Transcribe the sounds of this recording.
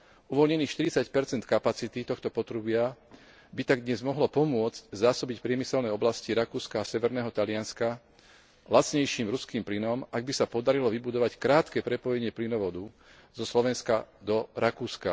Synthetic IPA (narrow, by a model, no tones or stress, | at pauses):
uʋɔlɲɛniːxʃt̪iɾit͡sacpɛɾt͡sɛnt̪kapat͡sit̪it̪ɔxt̪ɔpɔt̪ɾubɪa | bit̪aɡ̚d̪ɲɛzmɔɦlɔpɔmʊɔd͡zczaːsɔbicpɾɪɛmisɛlnɛɔblasciɾakuːskaːsɛʋɛɾnɛːɦɔt̪alɪanska | lat͡sɲɛjʃiːmɾuskiːmplinɔmaɡ̚bisapɔd̪aɾilɔʋibud̪ɔʋackɾaːt̪kɛːpɾɛpɔjɛɲɪɛplinɔʋɔd̪u | zɔslɔʋɛnskad̪ɔɾakuːska̰